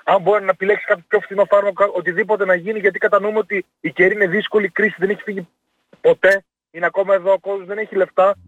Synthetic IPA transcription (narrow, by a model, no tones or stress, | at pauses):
ɐmboɾnɐepile̞ksi̥kɐtp̪ʰo̥pço̞fθino̞fɐɾmɐkokɐʔot̪iðipo̞t̪e̞nɐʝiniʝɐt̪i̥kɐt̪ɐnumeo̞t̪iː | ce̞ɾiine̞ðisko̞likɾisiðe̞neçi̥fiʝi | po̞t̪e̞ | ineɐko̞mɐeðo̞ːko̞zozðe̞ne̞çile̞ft̪ɐ